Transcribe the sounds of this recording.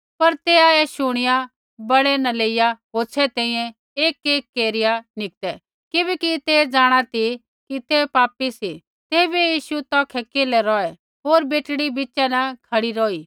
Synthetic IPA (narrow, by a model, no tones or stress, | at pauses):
pɐɾt̪eːaːɛʃʊɽ̃ɪja | bɐɽɛnɐleːɪjaɦoːsʰɛt̪ɛ̃ĩjɛ̃ | eːkeːkːeːɾɪjanɪk̚t̪ɛ | kɪbɛːkit̪eːd͡zaːɽ̃at̪i | kit̪epaːpisi | t̪eːbijiːʃut̪ɔ̃ːkʰɛkeːlɛɾɔɛ | ɦoːɾbeːʈɽibɪt͡ʃɛnɐkʰɐɽiɾɔːiː